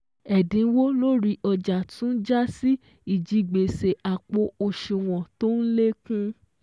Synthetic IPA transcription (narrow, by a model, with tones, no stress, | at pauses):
ɛ˨dĩ˨˧˦wo˦lo˦ɾi˧ʔɔ˧d͡ʒa˨tũ˦n̩˦d͡ʒa˦si˦ | i˦˨d͡ʒi˧ɡ͡be˨se˨a˨k͡po˧˦o˧ʃu˧˨w̃ɔ̃˨to˦n̩˦le˦kũ˦